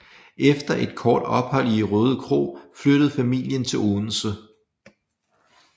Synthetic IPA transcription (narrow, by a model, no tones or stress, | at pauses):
ʔefd̥ɐʔe̝d̥̚kʰɒːd̥ɒ̽b̥hɒ̽l̰iʁɔːð̞ˠkʰʁo̝̰ːfløɾ̥əð̩ˠfæmil̰jənt͡sʰe̝loːn̩sə